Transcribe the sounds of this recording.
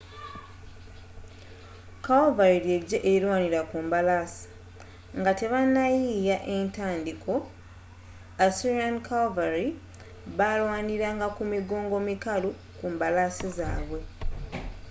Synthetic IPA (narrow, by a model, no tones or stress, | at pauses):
kawvaɾiɾje̞ɟːeʔeiɾwaːniɾakuːmbalasi̥ | ŋɡate̞βanːajiːjaʔe̞ntaːndikʰo̞ | asiɾiankawvaɾi | βalwaːniɾaŋɡakumiɡo̞ːŋɡo̞mikalu | kuːmbalaːsizaːβwe̞